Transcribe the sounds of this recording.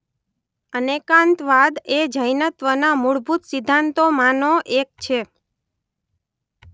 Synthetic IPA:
ənekãnt̪ʋad̪ed͡ʒəjnət̪ʋənamuɭbʱut̪sɪd̪ʱːant̪omanoʔek̚t͡ʃʰe

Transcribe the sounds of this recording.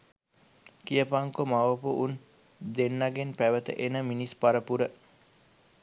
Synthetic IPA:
kijəpaŋkomaʋəpuʔun | d̪enːaɡenpæʋət̪ə̰ʔenəminispaɾəpuɾə

